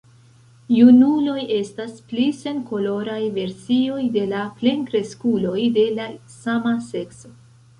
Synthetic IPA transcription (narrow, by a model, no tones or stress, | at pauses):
junulo̞je̞stasplise̞nko̞lo̞ɾajve̞ɾsio̞jde̞laple̞nkɾe̞skulo̞jde̞lasamase̞kso̞